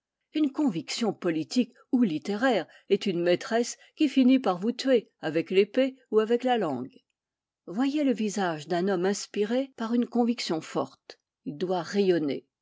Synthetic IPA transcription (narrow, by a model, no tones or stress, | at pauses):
ynkɔ̃viksjɔ̃pɔlit̪ik | ulit̪eʁɛʁ | ɛt̪ynmet̪χɛs | kʲifinipaʁvut̪ɥeavɛklepeuavɛklalɑ̰̃ɡ | vwajeləvizaʒd̪ɛ̃nɔmɛ̃spiʁepaʁynkɔ̃viksjɔ̃fɔ̰ʁt̪ | ild̪waʁɛjɔnḛ